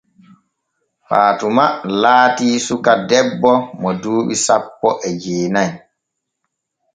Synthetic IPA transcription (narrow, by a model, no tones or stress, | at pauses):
faːtumalaːtiːsukadɛbːɔmɔduːɓisapːɔʔɛd͡ʒeːnaj